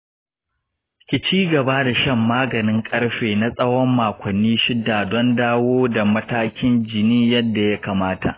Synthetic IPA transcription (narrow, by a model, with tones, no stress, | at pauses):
kʲɪ˨t͡ʃiː˦ɡɐ˨baː˦da˨ʃɐ˦˨mːaː˦ɡɐ˨nɪ˦ŋkʼɐ˦ɽɸeː˨na˦sʼɐ˦wɔ˦mːaː˨kʷɐ˨nːiː˦ʃɪ˦dːaː˨dɔ˦ndaː˦woː˦da˨mɐ˦taː˦kʲɪ˦nd͡ʒɪ˨niː˦jɐ˦dːa˨ja˦kaː˨maː˦ta̰˨ʔ